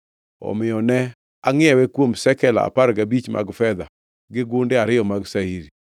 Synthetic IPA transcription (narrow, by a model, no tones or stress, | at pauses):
ɔ̰mɪɔnɛ | aŋɪɛwɛkwomsɛkɛla̰a̰paɾɡabit͡ʃma̰ɡfɛd̪a | ɡɪɡʊndɪaɾɪjɔmaɡsaiɾi